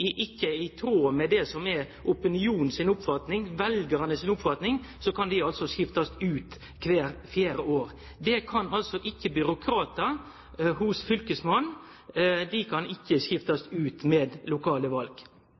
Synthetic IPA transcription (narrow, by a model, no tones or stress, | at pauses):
ɪʔɪkːəɪt̪ʰɾoːmɛd̪ɛsɔmɛ | ʔʊpənɪuːnn̩sɪnʊpfɑt̪nɪŋʋɛlɡəɾɑnəsɪnʊpfɑt̪nɪŋ | sɔkʰɑnd̪ɪɑlsɔsjɪft̪ɑsʉːt̪ | kʰʋeːɾfjeːɾəʔoːɾ | d̪ɛkʰɑnɑlsɔʔɪkːəbʏɾʊkʰɾɑːt̪ə | ɦʊsfʏlkəsmɑn | d̪ɪkʰɑnɪkːəsjɪft̪ɑsʉːt̪mɛːd̪lʊkʰɑːləʋɑlɡ̥